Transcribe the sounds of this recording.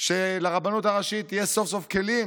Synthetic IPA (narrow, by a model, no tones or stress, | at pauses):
ʃelaʁabanut̪aʁaʃit̪ːijeso̞fso̞fkelim